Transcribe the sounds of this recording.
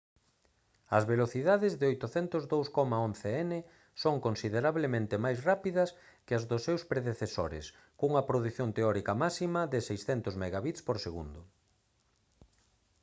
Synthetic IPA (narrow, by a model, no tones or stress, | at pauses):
ɐzβeloθiðaðɪzðɪojt̪ʊθɛnt̪ʊzðowskɔmaon̟θeɛnɪ | soŋkonsiðeɾaβlemẽnt̪ɪmajsrapiðɐs | kɪɐzðʊsːewspɾeðeθeso̰ɾɪ̰s | kouŋɐpɾoðuθjont̪eɔɾikɐmasimɐðɪsejsθɛnt̪ʊzmeɣaβit̪spoɾseɣṵnd̪ʊ